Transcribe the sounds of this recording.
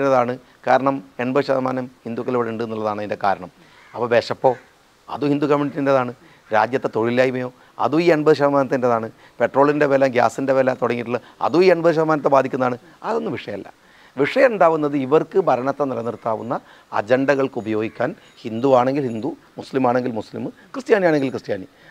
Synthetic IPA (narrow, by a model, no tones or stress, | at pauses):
ineðaːɳɨ | kaːɾɐɳɐme̞ɳbɐðɨɕɐðɐmaːnɐmhind̪ukːɐloːɽeɳɖɨenːuɭːɐðaːɳɐinde̞ka̰ːɾɐɳɐm | ɐpːɐːbeːʂɐpːo̞ː | ɐ̰ðuhind̪ukɐmiɳiʈːindeðaːɳɨ | ɾa̰ːd͡ʑjɐt̪ːe̞t̪o̞ɻilːaːjimɐjo̞ː | ɐ̰ðuiːeɳbɐðɨɕ̬ɐðɐmaːnɐt̪ːindeðaːɳɨ | pe̞ʈro̞ːɭinde̞ʋelamɡja̰ːsinde̞ʋeːlat̪oɽɐŋːiʈːuɭːɐ | ɐ̰ðuiːɐɳbɐðɨɕ̬ɐðmaːnɐt̪̬ːebaːd̪ʱikʲːunːɐðaːɳɨ | ɐðo̞nːɨʋiʂɐjɐlːɐ̰ | ʋiʂɐjɐmuɳɖaːʋunːɐðɨiʋɐrkɨbʱɐɾɐɳɐt̪ːenilɐnirt̪ːaːʋunːɐ | ɐ̰d͡ʑeɳɖɐɣɐɭkɨubɐjo̞ːɡikʲːaːn | hind̪uaːɳe̞ŋɡilhind̪u | muslimaːɳe̞ŋɡilmuslḭmkrɨstjaːnijaːɳe̞ŋɡilkrɨstjaːni